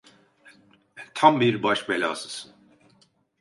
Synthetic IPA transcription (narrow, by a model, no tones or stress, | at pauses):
t̪ʰambiɾbaʃbelʲa̰ːsɯsɯn